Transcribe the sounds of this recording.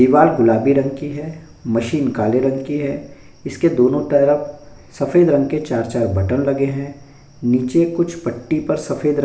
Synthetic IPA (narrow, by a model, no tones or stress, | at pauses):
iːʋaːɾɡʊlaːbiɾɐ̃ŋɡkiɦɛː | mɐʃiːnkaːleɾɐ̃ŋɡkiɦɛː | ɪsked̪oːnõt̪ɐɾəf | sɐfeːd̪ɾɐ̃ŋɡket͡ʃaːɾt͡ʃaːɾbʱɐʈənlɐɡeɦɛ̃ː | niːt͡ʃekʊt͡ʃʰpɐʈːipɐɾsɐfʰeːd̪ɾ